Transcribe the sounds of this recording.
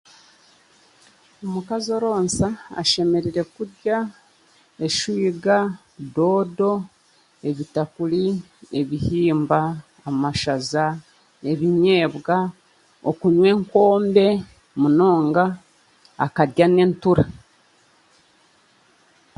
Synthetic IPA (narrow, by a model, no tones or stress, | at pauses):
omukazo̞ɾo̞ːnsaa̰ʃe̞me̞ɾiɾe̞kuɾɟa | eʃwiːɡa | do̞ːdo̞ | e̞βitakuli | e̞βihiːmbaː | maʃaza | e̞βiɲe̞ːβɡa | o̰kuɲwe̞ːŋko̞ːmbe̞ | muno̞ːŋɡa̰ː | kadɟane̞ntuɾa